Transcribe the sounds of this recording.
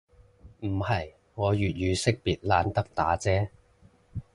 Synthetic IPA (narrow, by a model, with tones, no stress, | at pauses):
m̩˨˩hɐ˨j | ŋɔː˨˧ɥyː˨t̚jyː˨˧sɪ˥k̚piː˨t̚laː˨˧nt̪ɐ˥k̚t̪a̰ː˨˥t͡sɛː˥